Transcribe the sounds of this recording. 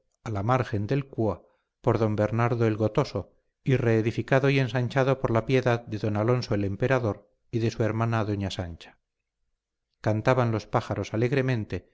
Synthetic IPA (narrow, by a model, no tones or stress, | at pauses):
alamaɾxe̞nd̪e̞lkua | po̞ɾðo̞mbe̞ɾnaɾðoelɣo̞t̪o̞so̞ | ire̞ːðifikaðo̞ie̞nsaɲt͡ʃaðo̞poɾlapje̞ðaðd̪e̞ðo̞nalo̞nsoele̞mpe̞ɾaðo̞ɾ | iðe̞sue̞ɾmanaðo̞ɲasant͡ʃḁ | kant̪aβanlo̞spaxaɾo̞sale̞ɣɾe̞mẽ̞nt̪e̞